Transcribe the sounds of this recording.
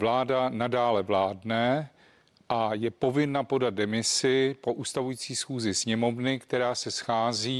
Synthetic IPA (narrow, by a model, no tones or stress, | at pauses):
vlaːdanadaːlɛvlaːdnɛ | ʔajɛpo̞vɪnapo̞dad̪̚dɛmɪsɪpo̞ʔuːst̪avujiːt͡siːsxuːzɪsɲɛmo̞vnɪkt̪ɛɾaːsɛsxaːziː